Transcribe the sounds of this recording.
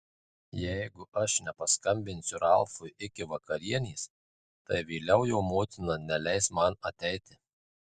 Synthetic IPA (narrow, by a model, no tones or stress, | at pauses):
jɛɪɡʊʔɐʃnʲɛpɐskɐmʲbʲɪnʲsʲʊɾɐlˠfʊjɪkʲɪʋɐkɐɾʲiɛnʲiːs | t̪ɐɪʋʲiːlʲɛʊjɛʊmoːt̪ʲɪnɐnʲɛlʲɛɪsmɐnɐt̪ʲɛɪt̪ʲɪ